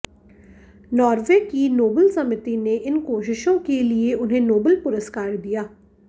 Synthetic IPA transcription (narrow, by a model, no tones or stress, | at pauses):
nɔːɾʋeːkiːnoːbəlsəmɪt̪iːneːʔɪnkoːʃɪʃõːkeːlɪeːʔʊnɦẽːnoːbəlpʊɾəskaːɾd̪ijaː